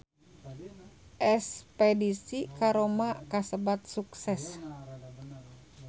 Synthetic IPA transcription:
ʔɛspɛdisikaɾomakasəbat̪̚suksɛs

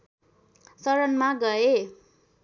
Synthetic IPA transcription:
sʌɾʌnmaɡʌe

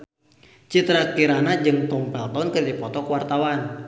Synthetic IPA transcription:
t͡ʃit̪ɾakiɾanad͡ʒɨŋt̪ɔmpɛlt̪ɔnkɨrdipɔt̪ɔkwart̪awan

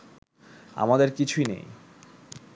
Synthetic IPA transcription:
a̰mad̪eɾkit͡ɕʰuinḛj

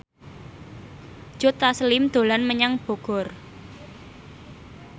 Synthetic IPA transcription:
d͡ʒ̥o̤t̪asəlɪmd̪̥o̤lanməɲaŋb̥o̤ɡ̥ɔ̤r

